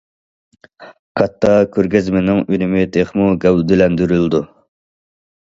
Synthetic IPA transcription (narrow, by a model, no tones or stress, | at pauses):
kʰɑt̪ʰːɑkʲʰøɾɡʲɛzmɪnɪŋynɪmɪt̪ʰeχmuɡʲɛwd̪ɪlɛnd̪yɾylˠd̪u